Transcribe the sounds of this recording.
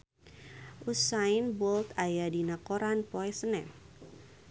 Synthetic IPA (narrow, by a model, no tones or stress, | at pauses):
usaɪnbɔlt̪ajadinakoɾanpɔɛsənɛm